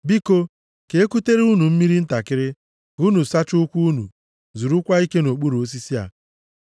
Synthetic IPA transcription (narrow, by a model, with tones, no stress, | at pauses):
bi˦ko˦ | ke˨e˦ku˦te˦ɾe˦u˦nu˨m̩˦mi˦ɾi˦n̩˦ta˨kɪ˦ɾɪ˦ | u˦nu˨sa˦t͡ʃʊ˦ʊ˦kʷu˦u˦nṵ˨ | zu˨ɾu˦kʷa˦i˦ke˦no˨k͡pu˦ɾo˦s̬i˦si˦a̰˨